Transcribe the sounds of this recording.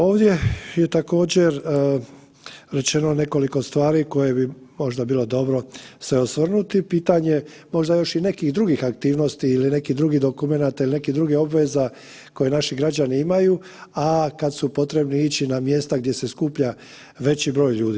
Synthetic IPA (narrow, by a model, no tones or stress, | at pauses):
o̞ːʋd̪je̞je̞t̪ako̞ːd͡ʑe̞ɾ | ɾe̞t͡ʃe̞none̞ko̞liko̞st̪ʋaːɾiko̞je̞bimo̞ʒd̪abiːlˠo̞d̪o̞bɾo̞sʋe̞osʋrnut̪ipiːt̪aɲe̞ | mo̞ʒd̪ajo̞ʃine̞kihd̪ɾuɡixak̚t̪iːʋno̞st̪iiline̞kid̪ɾuɡid̪o̞kume̞nat̪ailine̞kid̪ɾuɡeo̞bʋe̞za | ko̞je̞naʃiɡɾad͡ʑaniimaju | akad̪supo̞t̪ɾe̞bniit͡ɕinamje̞st̪aɡ̚d̪je̞se̞skuːpʎa | ʋe̞t͡ɕibɾo̞ːjʎuːd̪iː